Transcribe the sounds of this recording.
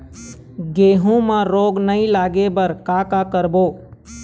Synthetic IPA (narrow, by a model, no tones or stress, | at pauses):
ɡeːɦũmãɾoːɡnəĩlaːɡebəɾkaːkakəɾboː